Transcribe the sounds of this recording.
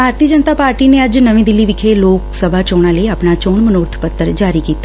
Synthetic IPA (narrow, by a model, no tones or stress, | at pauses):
bʱaːɾt̪iːəd͡ʒənt̪aːpaːɾʈiːneːəd͡ʒnəʋĩːd̪ɪlːiːʋɪkʰeloːksəbʱaːt͡ʃoːɽ̃ãːləiaːpɳaːt͡ʃoːnmənʊɾt̪ʰpət̪ːəɾd͡ʒaːɾiːkiːt̪ːaː